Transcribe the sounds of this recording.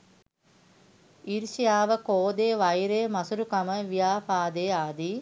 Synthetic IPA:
iɾʃijaːʋəkoːd̪eːʋɐjɾeːmɐsuɾukaməʋijaːfaːd̪eːaːd̪i

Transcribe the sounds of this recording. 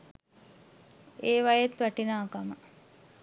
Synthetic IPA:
eːʋajet̪ʋæʈinaːkamə

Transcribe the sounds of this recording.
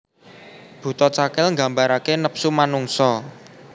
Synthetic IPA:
b̥ṳt̪ɔt͡ʃakɪlŋɡa̤mbaɾakenəpsumanuŋsɔ

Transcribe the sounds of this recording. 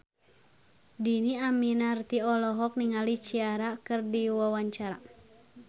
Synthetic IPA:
diniaminart̪iɔlɔɦɔk̚niŋalit͡ʃiaɾakɨrdiwawaɲt͡ʃaɾa

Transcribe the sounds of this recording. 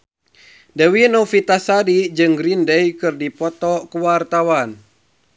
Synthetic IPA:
dəwinɔfit̪asadid͡ʒɨŋɡɾindɛjkɨrdipɔt̪ɔkuwart̪awan

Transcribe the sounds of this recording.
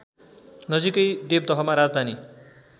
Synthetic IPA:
nʌd͡zikʌjd̪eb̚d̪ʌɦʌmaɾad͡zd̪ʱani

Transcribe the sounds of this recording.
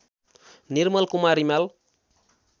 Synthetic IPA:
nirmʌlkumaɾimal

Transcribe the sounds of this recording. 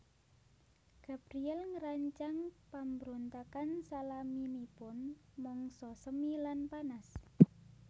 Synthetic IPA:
ɡ̥a̤bɾiɛlŋəɾaɲt͡ʃaŋpambɾont̪akansalaminipʊnmɔŋsɔsəmilanpanas

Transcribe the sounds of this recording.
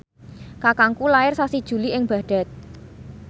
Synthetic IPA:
kakaŋkulaɪrsasid̥ʒ̥ṳliɪŋb̥a̤ɖ̥a̤t̪̚

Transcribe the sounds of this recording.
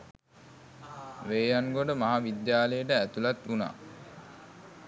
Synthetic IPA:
ʋeːjaŋɡoɖəmaɦaʋid̪jaːləjəʈəæt̪ulat̪una̰ː

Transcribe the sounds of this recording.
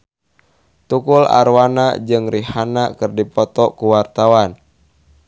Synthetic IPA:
t̪ukula̰ɾwana̰d͡ʒɨŋrihanakɨrdipɔt̪ɔkuwart̪awan

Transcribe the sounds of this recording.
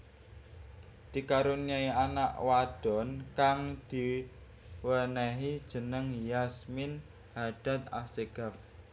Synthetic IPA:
d̪̥i̤kaɾuniaianaʔwaɖ̥ɔ̤nkaŋd̪̥i̤ | wənɛɦid̥ʒ̥ə̤nəŋjasmɪn | haɖ̥a̤t̪̚a̰seɡ̥a̤p̚

